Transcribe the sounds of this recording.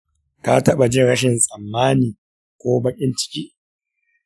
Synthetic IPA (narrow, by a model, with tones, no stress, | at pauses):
ka˦tɐ˦ɓa˨d͡ʒɪ˦ɽɐ˦ʃɪ˨nsʼɐ˨mːaː˦niː˨ | kʷoː˦bɐ˦kʲʼɪ˦nt͡ʃɪ̥˦kʲiː˦